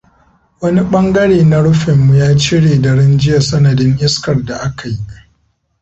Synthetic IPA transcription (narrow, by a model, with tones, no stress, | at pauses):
wɐ˦ni˦ɓɐ˦ŋɡɐ˦ɽeː˨na˨ɽʊ˦ɸɪ˨mːu˨jaː˦t͡ʃɪ˦ɽeː˨dɐ˨ɽɪ˦nd͡ʒɪ˦ja˨sɐ˦nɐ˨dɪ˦ŋʔɪ˦skɐ˨rda˨ʔa˦ka˨ji˦a˦ʔ